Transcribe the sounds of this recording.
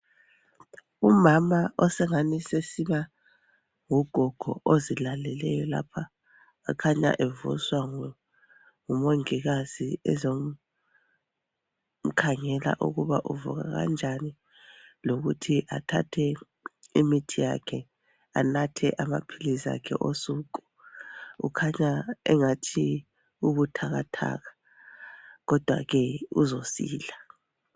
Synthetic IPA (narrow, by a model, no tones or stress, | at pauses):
umamaʔɔsɛŋanisesima | ŋuɡ̥ʱɔɡ̥ʱɔ̰ʔozilalɛlɛjɔla̰pʰaː | kʰaɲa̰ʔɛvṵswaŋ | ŋumoŋiɣaz̥iɛzom | m̩kʰaŋɛla̰ʔṵɣuβaʔuvṵɣa̰ɣa̰nd͡ʒʱani | loɣutʰiʔatʰa̰tʰɛ | imitʰija̰kʰɛ | anatʰɛʔamapʰiliza̰kʰɛ̰ʔosuːk̬ʼu̥ | ṵkʰaɲaɛŋatʰi | uβutʰaɣatʰa̰ːɣḁ | ɣɔd̥ʱwaɣɛuzosḭːɮa